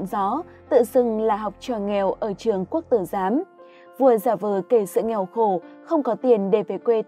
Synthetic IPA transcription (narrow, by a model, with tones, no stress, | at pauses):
nzɔ˨˦ | t̪ɨ̰˧˨sɨ˨˩ŋlaː˨˩ɦa˨˩wk͡p̚t͡ɕɔ˨˩ŋɛ˨˩wʔəː˧˩t͡ɕɨ˨˩əŋku˦˥ək̚t̪ɨ˧˩zaː˨˦m | vu˨˧˩əzaː˧˩vəː˨˩ke˧˩sɨ̰˧˨ŋɛ˨˩wxo˧˩xə˧wŋ͡mkɔ˨˦t̪i˨˩ənɗe˧˩ve˨˩jkwe˧